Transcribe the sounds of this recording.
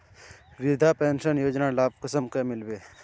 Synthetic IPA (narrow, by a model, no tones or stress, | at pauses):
ʋɪɾd̪ʱapeːnʃənjoːd͡ʒnalaːb̚kəsəmkemɪlbeː